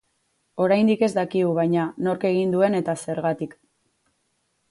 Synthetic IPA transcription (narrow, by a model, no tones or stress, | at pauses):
o̞ɾajnd̪ike̞zd̪akiɣuβajɲano̞ɾke̞ɣ̞ind̪ue̞ne̞t̪ase̞ɾɣat̪ik